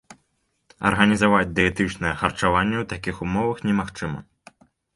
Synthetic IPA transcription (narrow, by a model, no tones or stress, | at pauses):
ɐ̰rɣɐnʲizavad͡zʲd̪ɛɛt̪ɨt͡ʂnɛjɛxɐrt͡ʂavanʲːɛwt̪akʲixumɔvɐxnʲɛmaxt͡ʂɨmɐ̰